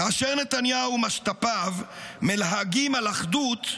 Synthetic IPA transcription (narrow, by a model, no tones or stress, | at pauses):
kaːʃeʁnet̪anjaumaʃt̪apavmelɦaɡimalaχd̪ut̪